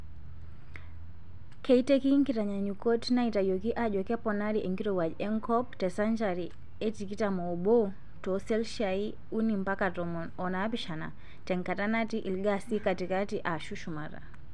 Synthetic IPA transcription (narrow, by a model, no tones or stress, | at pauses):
kɛitɛkiŋkitaɲaɲukɔtnaitajɔkiʔaʄɔkɛpɔnaɾiʔɛŋɡiɾɔwaʄɛŋkɔp̚tɛsand͡ʒaɾi | ɛtikitamɔɓɔ | tɔsɛlʃai | unim̩pakatɔmɔ | ɔnapiʃana̰ | tɛŋkatanatiʔilɡasikatikatiʔaʃuʃumaɾa̰